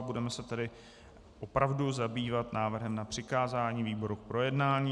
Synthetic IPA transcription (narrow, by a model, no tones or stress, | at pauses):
budɛmɛsɛt̪ɛdɪ | ʔo̞pɾavduzabiːvat̪naːvr̩ɦɛmnapr̥ɪkaːzaːɲiːviːbo̞ɾukpɾo̞jɛdnaːɲiː